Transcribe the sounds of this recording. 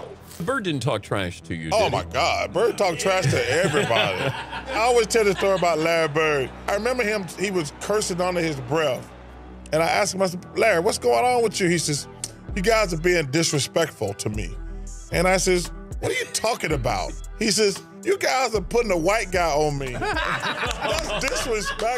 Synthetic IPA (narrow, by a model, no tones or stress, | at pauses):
bɜ˞dɪdⁿn̩tʰɔ̰k̚tʰɹ̥æ̰ʃtʰɨ̰jɨ̰oʊma̰ɪɡɑdbɜ˞dtʰɔk̚tʰɹ̥æʃtʰɨɛvɹibɑ̰ɾḭaɪɔlˠwiz̥tʰɛlˠðɨstɔɹiəbaʊtˡlɛɹibɜ˞daɪɹɨmɛ̃mbə˞ɪ̃mhiwʌz̥kʰɜ˞sɪ̃ŋʌ̃ntɨɨzbɹɛθ | ɨ̃ñaɪʔæskmaɪsɛlæɹiwʌtsɡ̥oʊɪ̃ŋə̃nwəðjɨisɛz | jɨɡaɪzəbiɪ̃ŋdɪsɹɨspɛk̚tfl̩ˠtʰɨmḭɨ̃ɾ̃aɪsɛzwʌɾə˞jɨtʰɔkɪ̃ŋɨba̰ʊt̚his̬ɛz | jɨɡaɪzəpʰʊɾɪ̃ŋəwaɪt̚ɡ̥aɪə̃nmi | ðætsd̥ɪsɹɨspɛ